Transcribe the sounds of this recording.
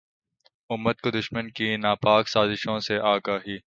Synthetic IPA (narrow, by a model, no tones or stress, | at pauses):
ʊmːət̪̚kod̪ʊʃmənkinaːpaːksaːzɪʃõseʔaːɡaːɦiː